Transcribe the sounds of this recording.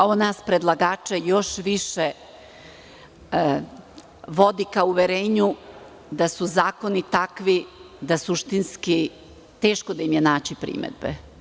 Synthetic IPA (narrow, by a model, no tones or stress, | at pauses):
onaːspɾed̪lˠaɡaːt͡ʂejo̞ʃʋiʃe | ʋo̞d̪ikauʋeɾeːɲu | d̪asuzaːko̞nit̪akʋi | d̪asuʃt̪inski | t̪eːʃkod̪aimjenaːt͡ɕipɾḭmḛd̪̚bḛ